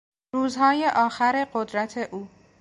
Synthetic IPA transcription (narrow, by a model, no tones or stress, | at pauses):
ɾuːzhɒːje̞ʔɒːxæɾe̞ɢo̞d̪ɾæt̪ʰe̞ʔuː